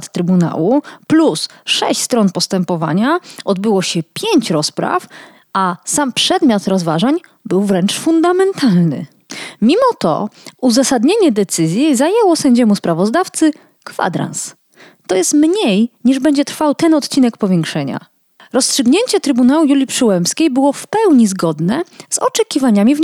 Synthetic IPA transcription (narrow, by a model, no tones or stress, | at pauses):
t̪t̪ːɾɘbuna̰wuplusʂɛ̰ɕt͡ɕʲst̪ɾɔnpɔst̪ɛmpɔva̰ɲaɔd̪bɘwɔɕɛpʲjeɲt͡ɕɾɔspɾa̰f | asampʂɛd̪mʲjat̪ɾɔzvaʐaɲ | bɘwvɾɛnt͡ʂfund̪amɛnt̪ʰalnɘ̰ | mʲimɔt̪ɔ̰uzasad̪ɲeɲɛd̪ɛt̪sɘzʲjizajɛwɔsɛɲd͡ʑɛmuspɾavɔzd̪aft̪sɘ | kfa̰d̪ɾa̰ns | t̪ɔjɛst̪mɲejɲiʐbɛɲd͡ʑɛt̪ɾfawt̪ɛnɔt̪t͡ɕinɛkpɔvʲjɛŋkʂɛɲa̰ | ɾɔstʂɘɡɲeɲt͡ɕɛt̪ɾɘbunawujulʲipʂɘwɛmpskʲejbɘwɔfpɛwɲizɡɔd̪nɛz̥ɔ̰t͡ʂɛkʲivaɲamʲiv